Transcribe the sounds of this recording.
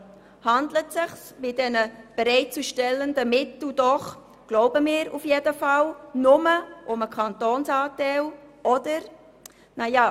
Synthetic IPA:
hɑndlətsɪχsbɪdɛnəb̥eɾɛɪt̚t͡suʃtɛlːəndəmɪtl̩dɔχ | ɡ̥loʊbəmɪːɾufjedəfɑlnʊməʔʊməkʰɑntoːnsɑːtɛlɔdəɾ | najɑː

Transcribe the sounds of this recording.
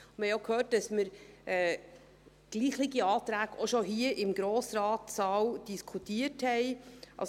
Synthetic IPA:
mhɛɪjokʰhøːt̚d̥ɑsməɾʔɛː | ɡ̥liːχliɡiɑːtɾæːɡoʃoɦiəʔɪmɡɾoːsɾɑːtsɑːwd̥iskʰutiːəthɛɪʔɑ̰s

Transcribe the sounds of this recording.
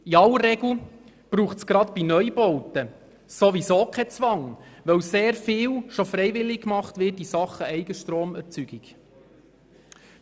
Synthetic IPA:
iɑləɾːɛɡl̩ | b̥ɾuːχtsɡ̥ɾɑt̪b̥inœʏjbɔwtə | soʋisoːkʰɛt͡sʋɑŋʋœwseːɾfɪːwʃofɾɛɪvɪlːɪkkmɑχtvɪtisɑχːəɛɪɡəʃtɾoːmɛɾt͡syɡ̥iɡ

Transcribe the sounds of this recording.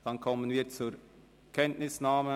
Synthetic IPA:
d̥ɑnkʰɔmənviːt͡suːɾ | kʰɛntnɪsnaːmə

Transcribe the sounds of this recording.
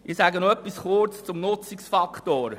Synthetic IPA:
ʔɪsæɡənoœpːisχʊrt͡st͡sʊmnʊt͡siksfɑkχtoːɾ

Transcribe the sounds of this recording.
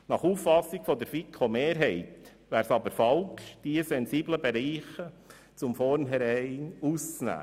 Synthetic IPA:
nɑχuːfːɑsːiɡ̥fɔd̪əɾfikʰomeːɾɦɛɪt̪ | ʋæːɾsɑbəɾfɑlkʃd̥iəsɛnsiːbləbeɾiːχə | t͡sʊmfɔɾnɦɛɾɛɪnuːst͡snæ̰ː

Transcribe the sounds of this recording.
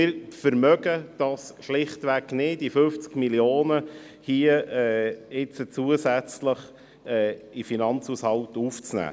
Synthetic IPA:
ɪɾfəɾmœɡəd̥ɑːsʃlɪχtʋæɡnɪdifʏft͡skmiljoːnə | hiəɛːɪt͡sət͡suəsæt͡sləχ | ɛːifinɑnt͡sushɑltuft͡snæ̰ː

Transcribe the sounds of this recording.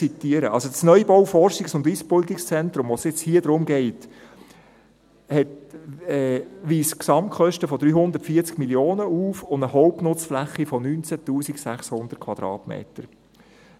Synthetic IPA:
it̪iəɾəʔɑ̰lsosnœjbɔwfɔrʃiksʊndispolt̪ikst͡sɛnt̪ɾʊmʋosjɪt͡shiːəd̥ɾʊmɡɛɪt | hɛtɛːʋiːsksɑmtkχœʃtəfɔd̥̪ɾyːhʊnd̪əɾtfiːt͡skmiljoːnəuːfʊndəhɔʊpnʊt͡sflæχːifɔnyːnt͡sætuːsiksæχshʊnd̥əɾtkʰʋɑd̥̪ɾɑ̰ːtmḛːtəɾ

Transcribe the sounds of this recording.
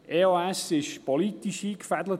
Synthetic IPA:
ʔeoːɛsɪʃpɔlit̪iʃiːkfɛd̪lə

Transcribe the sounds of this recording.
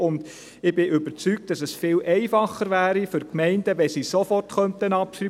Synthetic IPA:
ʊnd̥ | ɪbɪʔʏbəɾt͡syk̚t̚d̥ɑsɛsfɪːlʔɛɪfɑχːəɾʋæːɾifʏɾkmɛɪndəʋɛsisofɔrtχœntənɑpʃɾy

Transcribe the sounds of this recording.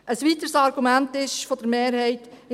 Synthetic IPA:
ʔəsʋit̪əɾsɑɾɡ̥umæntɪʃfod̥̪əɾmeːɾhɛɪtɪ

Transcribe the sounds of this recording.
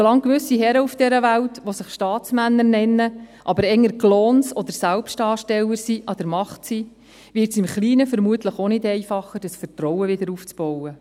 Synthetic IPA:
solɑŋkʋʏsiɦɛɾəufd̥ɛɾəʋæltʋosɪχʃtɑːt͡smænːəɾnɛnːəʔɑbəɾɛŋəɾɡloːnsɔd̪əɾsælpʃtɑːʃtɛləɾsiʔɑd̪əɾmɑχtsiː | ʋɪrtsɪmχliːnəfəɾmuət̪ləχonɪdɛɪfɑχːəd̥əsfərtrɔwəʋɪdəɾuːft͡sb̥ɔwə

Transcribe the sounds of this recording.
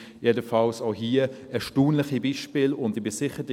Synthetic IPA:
jedəfɑlsoʊɦiːə | ɛʃtuːnləχibiːʃpiːlʊndibɪsɪχət

